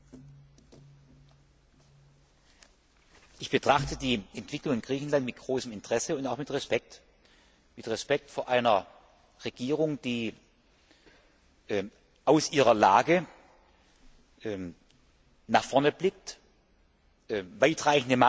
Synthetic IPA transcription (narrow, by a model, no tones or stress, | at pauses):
ʔɪçb̥ətʁ̥aχtədiːʔɛntv̥ɪklʊŋɪnɡ̥ʁiːçn̩lantmɪtɡ̥ʁoːsəmɪntʁ̥ɛsəʊntaʊxmɪtʁɛspɛk̚t | mɪtʁɛspɛk̚tfoːɐʔaɪnɐ | ʁeɡiːʁ̞ʊŋd̥iː | ʔː | ʔaʊsʔiːʁɐlaːɡə | ʔɛ | naχfɔɐnəblɪk̚t | vaɪtʁaɪçn̩dəma